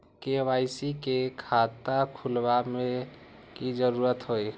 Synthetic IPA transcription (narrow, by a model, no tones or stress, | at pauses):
keʋajsikekʰat̪akʰulbame | kid͡ʒəɾuɾət̪ɦoj